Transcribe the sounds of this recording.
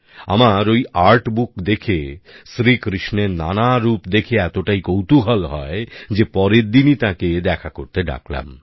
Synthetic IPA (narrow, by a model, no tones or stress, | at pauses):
a̰maɾojaɾʈbukd̪ekʰesɾikɾiʃneɾna̰naɾupd̪ekʰeɛt̪oʈajkowt̪uɦalɦɔed͡ʑepɔɾeɾd̪init̪ãked̪ɛkʰakoɾt̪eɖa̰kla̰m